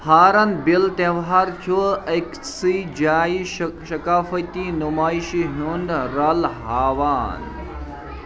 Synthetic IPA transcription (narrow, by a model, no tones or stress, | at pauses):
haːɾɐnbilt̪ẽʋɦaɾt̪ʰuɐksid͡ʒaːiʃɐkaːfɐt̪inumaːjʃiɦunɖɾɐlɦaːʋaːn